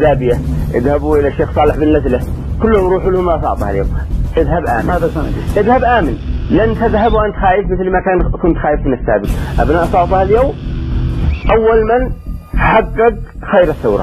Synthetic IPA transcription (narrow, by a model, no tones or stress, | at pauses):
d̪aːbɪjaʔɪ̰ðhabuʔɪlaʃeːxsˤɑːlɪħbɪnːazla | kʊlːhʊmɾuːħulhʊmasˤɑ̰ʕt̪ˤɑhaljo̰ːmʔɪðhabʔa̰ːmɪnʔɪðhabʔaːmɪnlɪʔanːt̪ɪðɦabwʔant̪xaːjɪfmɪθlmakaːnkʊnt̪xaːjɪfmɪnɪsːaːbɪt̪ʔa̰bnaːʔsˤɑʕt̪ˤɑhaljoːm | ʔawːalmanħaɡːɪɡ̚xajɾɪθːawɾˤɑ̰